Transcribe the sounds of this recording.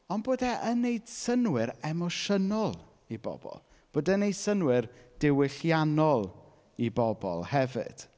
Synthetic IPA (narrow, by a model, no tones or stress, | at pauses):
ɔnboːdɛʔənejd̥sənwɪɾɛmɔʃənɔlˠ | ibɔ̰b̥ɔ̰lˠ | b̥oːdɛnejd̥sənwɪrd̥ɪwɪɬjanɔlˠ | ibɔbɔ̰lˠhɛvɪ̰d̥